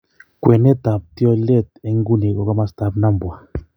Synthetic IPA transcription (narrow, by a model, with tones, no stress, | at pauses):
kwe˨ne˦ta˨p̚tjɔ˦le˦˨te˦ŋɡu˦ne˨kɔ˨˦kɔ˦ma˦sta˦pna˦mbwa˨